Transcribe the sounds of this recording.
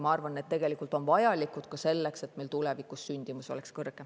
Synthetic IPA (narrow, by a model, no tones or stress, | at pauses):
mɑɑrvɑnet̪ːe̞ɡ̥e̞likˑult̪o̞nvɑjɑlikˑud̪̥kɑse̞lːekset̪meilt̪ule̞vikˑusːynʲd̪̥imuso̞̰le̞kskɤrɡɡ̥e